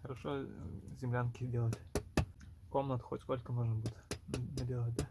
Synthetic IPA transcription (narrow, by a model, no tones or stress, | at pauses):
xəɾɐʂozʲɪmlʲankʲidʲelˠətʲ | komnət̪xotʲskolʲkəmoʐɨmbɨtʲnədʲelˠət̪̚ʲd̪a